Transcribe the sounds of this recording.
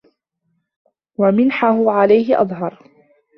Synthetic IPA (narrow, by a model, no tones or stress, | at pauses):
wamɪnħaɦʊʕalajɦɪʔɑ̰ðˤɦɑɾˤ